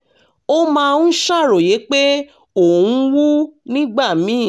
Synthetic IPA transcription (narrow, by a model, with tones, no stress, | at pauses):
o˦mãː˧ũ˦ʃa˦˨ɾo˨je˨˦k͡pe˦ | o˦˨ũ˦wu˦nĩ˦ɡ͡ba˦˨mĩ˨˦˨